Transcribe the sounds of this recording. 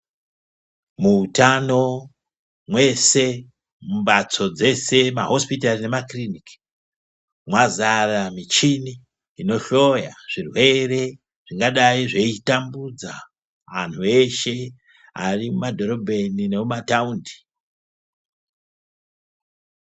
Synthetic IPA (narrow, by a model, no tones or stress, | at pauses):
muːtano̞ | mwe̞se̞ | mumɓat͡so̞d͡ze̞se̞ma̰ɦo̞spitarine̞makrinik | mwazaramit͡ʃini | ino̞ʃo̞jaʐ̥irwe̞re̞ | ʐ̥iŋɡaɗaiʐe̞itambud͡za | ʋan̤ue̞ʃe̞ | a̰rimumadʱo̞ɾo̞bʱe̞nine̞mumataundi̥